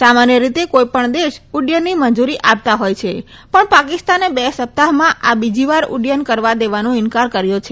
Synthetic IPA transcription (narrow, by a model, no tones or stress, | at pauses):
samanjəɾit̪ekojpəɳd̪eʃʊɖjənːimənd͡ʒuɾiʔap̚t̪aɦojt͡ʃʰe | pəɳpakɪst̪anebesəp̚t̪aɦmãʔabid͡ʒiʋaɾʊ̰ɖjənkəɾʋad̪eʋanõɪnkaɾkəɾjõt͡ʃʰe